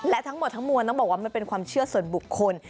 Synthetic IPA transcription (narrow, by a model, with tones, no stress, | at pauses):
lɛ˦˥t̪ʰa˦˥ŋmo˨˩t̪̚ʰːa˦˥ŋmu˧nɔ˥˩bɔː˨˩kwaː˥ma˧˥˩pe˧nkʰwaː˧mt͡ɕʰɯ˥˩ɐsu˨˩ənbu˨˩kʰːo˧n